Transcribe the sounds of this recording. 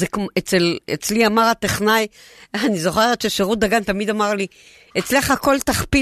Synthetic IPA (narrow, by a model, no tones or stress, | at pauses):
zeket͡selḛt͡sliamaʁat̪eχnaj | anizo̞χe̞ʁet̪ʃeʃeʁudaɡant̪amid̪amaʁli | et͡sleχhako̞lt̪aχpi